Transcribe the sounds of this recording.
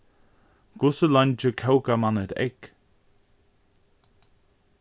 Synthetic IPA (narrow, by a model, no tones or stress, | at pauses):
ɡ̥ʊsəland͡ʒəkʰɛwɡamanəd̪ɛ̰ɡ̥